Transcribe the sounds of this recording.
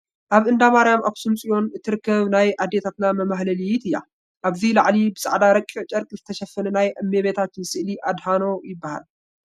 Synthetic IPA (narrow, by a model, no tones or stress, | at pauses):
ʔaβɨnd̪amaɾjamʔa̰ksumsʼijo̞nɨt̪ʰːɨɾɨkːɐβnajʔad̪ːe̞t̪ʰat̪namɐmahlɐlit̪ʰɨjːa̰ | ʔaβzilaʕlibɨsʼaʕd̪aɾɐkʼːiʕt͡ʃʼɐɾkʼzɨt̪ʰɐʃɐfːɐnɛnajʔɐmːeβet̪ʰat̪msɨʔliʔad̪hano̞jɪbːaha̰l